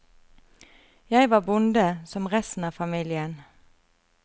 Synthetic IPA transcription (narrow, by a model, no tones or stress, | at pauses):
jæɪʋɑːbʊnd̪əsɔmʁɛst̪n̩ɑːfɑmiːlɪən